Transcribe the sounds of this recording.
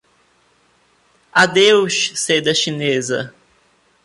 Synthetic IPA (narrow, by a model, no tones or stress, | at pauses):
ad̪ewʃsed̪ɐʃinezɐ̰